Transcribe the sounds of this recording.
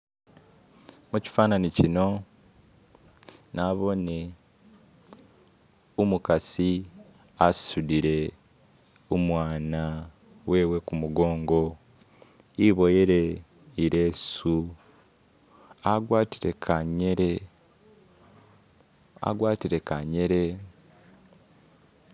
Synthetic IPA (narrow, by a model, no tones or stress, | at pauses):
muci̥faːnanicino̞ | naβo̞ne̞ | umukasi | asudiɾe̞ | omwaːna | we̞ːwe̞kumuɡo̞ːŋɡo̞ | iβo̞jeɾe | iɾe̞ːsu | aɡwaːtiɾekʰaɲe̞ɾe̞ | a̰ɡwaːtiɾe̞kaɲe̞ɾe̞